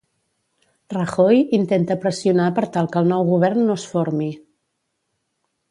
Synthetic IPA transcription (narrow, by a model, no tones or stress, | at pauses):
rəxojint̪ent̪əpɾəsiunapəɾt̪alˠkəlˠnɔwɣuβ̞ɛɾnːosfoɾmi